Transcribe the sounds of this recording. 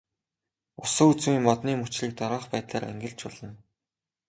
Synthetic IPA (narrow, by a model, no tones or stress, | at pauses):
ʊsə̆kut͡suiːmmɔt̪niːmut͡ɕɮiːk̚t̪ɔɾăːχpæːt̪ɮaːɾæ̰ŋɡɘ̆ɮt͡ɕʊɮə̆n